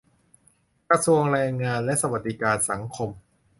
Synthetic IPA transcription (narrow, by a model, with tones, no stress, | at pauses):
kɾa˧su˧əŋɾɛː˧ŋːaː˧nlɛ˦˥ʔsa˧wa˨˩t̪̚d̪i˦˥kaː˧nsa˩˦ŋkʰo˧m